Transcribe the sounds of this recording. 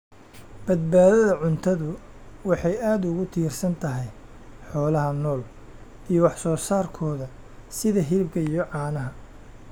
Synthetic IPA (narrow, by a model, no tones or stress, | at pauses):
b̥ɐd̪̚baːðɐðɐʕʊnt̪ʰɐðʊ | wɑħɑjaːd̪ʊɣʊt̪ʰiːrsɐnt̪ʰɐɦɛj | ħɔːlɐɦɐnɔːl | ijɔwɑħsɔːsaːrkʰɔːðɐ | sɪðɐɦɪlɪbkʰɐijɔʕɑːnɐɦɐ